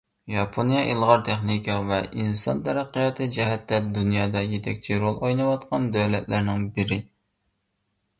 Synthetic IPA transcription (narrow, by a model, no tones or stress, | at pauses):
jɑpʰonjɑʔilˠʁɑɾt̪ʰeχnikʰɑvɛʔinsɑ̰nt̪ʰɛɾæqːijɑt̪ʰɨd͡ʒɛɦɛt̪ːɛd̪unjɑːd̪ɑjet̪ʰɛk̚ʲt͡ʃʰiɾolˠojnɨwɑt̪qɑnd̪øwlɛt̪læɾnɪŋbɪɾɪ